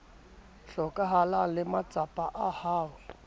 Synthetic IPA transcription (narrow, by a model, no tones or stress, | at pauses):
ɬɔkʼaɦalalɪmat͡sʼapʼaʔahaːwɛ